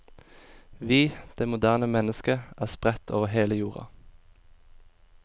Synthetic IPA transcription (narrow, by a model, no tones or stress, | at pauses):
ʋiːd̪̥eːmʊd̪æːʁnəmɛnəskəʔæːspʁɛt̪ʰo̰ːʋəheːləjuːʁɑ̰